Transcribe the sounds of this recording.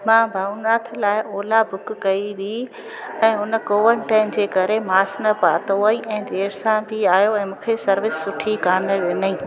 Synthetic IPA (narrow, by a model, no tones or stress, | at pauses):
mãːbʱaːunaːt̪ʰlaːɪʔoːlabʱʊkkɐiʋi | ɛ̃ːɦʊnəkoːʋəɳʈãːɪmd͡ʑeːkɐɾemaːsnəpaːt̪oĩɛ̃ːd̪eːɾsãbʱiaːjoɛ̃ːmũːkʰesɐɾʋɪsːʊʈʰikaːnəʋenəĩː